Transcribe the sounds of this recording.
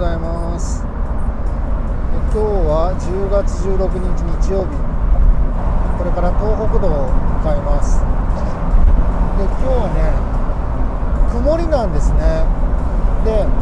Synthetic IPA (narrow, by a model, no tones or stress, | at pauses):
aima | sɨ̥ | ekʲo̞ːβad͡ʑɨːɡat͡sɨʑɨːɾo̞kɯ̟ɲ̟iɲt͡ɕiɲ̟it͡ɕijo̞ːbʲi | ko̞ɾe̞kaɾat̪o̞ːɦo̞kɯ̟d̪o̞ːmɯ̟kaimasɨ̥e | d̪e̞kʲo̞ːβane̞ | kɯ̟mo̞ɾʲinãnd̪e̞sɨne̞ | d̪e̞